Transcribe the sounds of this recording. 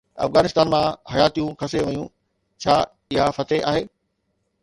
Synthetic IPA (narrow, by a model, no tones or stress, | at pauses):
ɐ̰fɣaːnɪst̪aːnmãhɐjaːt̪ijũkʰɐseʋɐjũ | t͡ɕʰaː | ɪɦafɐt̪eʔaːɦeː